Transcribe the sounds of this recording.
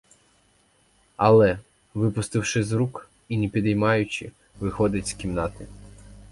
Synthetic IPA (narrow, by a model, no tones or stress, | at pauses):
ɐlˠɛ | ʋɪpʊst̪ɪwʃɪzɾuk | inepʲid̪ɐjmɑjʊt͡ʃɪ̰ | ʋɪxɔd̪ɪtʲskʲimnɑt̪ɪ